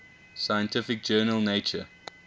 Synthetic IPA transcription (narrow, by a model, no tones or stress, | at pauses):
saɪjə̃ntʰɪfɪk̚d͡ʒɜːnəlˠneɪt͡ʃə